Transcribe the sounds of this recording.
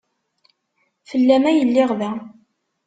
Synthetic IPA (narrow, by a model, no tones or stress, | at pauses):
fəlːæmæjəlːɪʁðæ